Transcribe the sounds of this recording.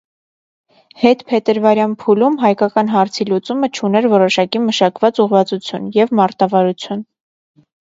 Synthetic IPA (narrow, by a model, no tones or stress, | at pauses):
hɛt̪pʰɛt̪əɾvɑɾjɑnpʰulumɦɑjkɑkɑnɦɑɾt͡sʰilut͡sumət͡ʃʰunɛɾvɔɾɔʃɑkiməʃɑkvɑt͡suʁvɑt͡sut͡sʰjunjɛvmɑɾt̪ɑvɑɾut͡sʰjun